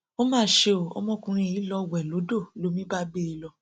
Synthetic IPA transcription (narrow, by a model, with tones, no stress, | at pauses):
o˦mãː˦˨ʃe˧o˨ɔ̰˧˦mɔ̃˦kũ˧ɾ̃ĩ˧˨i˨˦lɔ˧wɛ˨lo˨˦do˦˨lo˨˦mĩ˦ba˦ɡ͡be˦i˧lɔ˧